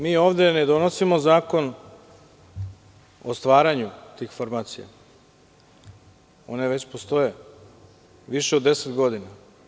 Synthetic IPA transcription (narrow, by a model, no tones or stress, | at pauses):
miːoːʋd̪e̞ned̪o̞no̞simo̞zaːko̞n | ost̪ʋaːɾaɲut̪iːxfoɾmaːt̪sija̰ | o̞̰ne̞ʋe̞t͡ɕpost̪o̞je̞ | ʋiʃeod̪ːe̞set̪ɡo̞d̪ina